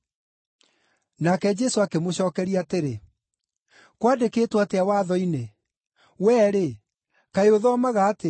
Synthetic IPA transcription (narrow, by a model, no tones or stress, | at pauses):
nakɛd͡ʒɛsoakemoɕɔːkɛɾiateɾe | kwadekeːtwateawaːðɔine | wɛːɾe | kaeoðɔːmaɣaːte